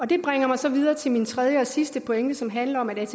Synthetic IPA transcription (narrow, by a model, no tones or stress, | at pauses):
ɒ̽d̥e̝b̥ʁɛŋ̰ɐmɑ̈ɪsɒ̽ʋið̞ˠɐːt͡sʰe̝lmint͡sʰʁɛð̞ˠjəɒ̽sisd̥əpʰoeŋ̰d̥əsɒ̽mɦænlɐɒ̽mæd̥æt͡sʰ